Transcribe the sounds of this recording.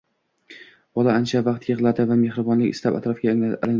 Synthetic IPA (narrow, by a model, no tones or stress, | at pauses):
b̥ɒlˠaant͡ʃʰavɑqt̪ʰjɨʁlˠad̪ɪvame̞hɾɪbɒnlɪkʲɪ̰slapa̰t̪ɾɒfɡʲalɪŋ